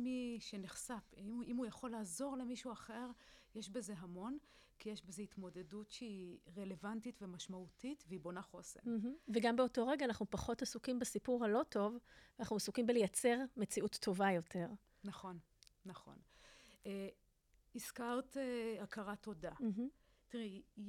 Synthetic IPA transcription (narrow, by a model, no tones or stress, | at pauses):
miʃeniχsafiimujaχo̞laːzo̞ʁle̞miʃuaχeʁjeʃbe̞ze̞ɦamo̞n | kijeʃbe̞zeit̪mo̞de̞dutʃeiʁele̞vantitvemaʃmautitveibo̞naχo̞se̞̰l̩ɦm̩veɡambeoto̞ʁe̞ɡaːnaχnupaχo̞tasukimbasipuʁhalo̞to̞vanaχnuasukimbelejat͡se̞ʁme̞t͡siʔutʰːo̞vajo̞tʰe̞ʁ | naχo̞nː | aχo̞̰n | e | iskaʁteakaʁato̞dam̩ɦ̩tiʁi